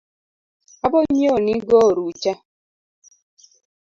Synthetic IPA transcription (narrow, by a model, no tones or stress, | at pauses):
abɔɲ̩ɲoniɡɔɾut͡ʃa